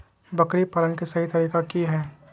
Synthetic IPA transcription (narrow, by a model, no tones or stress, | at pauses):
bɐkɾipɐɾənkisɐɦit̪ɐɾiːkakiɦɛː